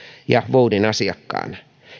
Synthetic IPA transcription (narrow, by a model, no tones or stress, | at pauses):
jɑʋoudinɑsiɑkːɑ̰ːn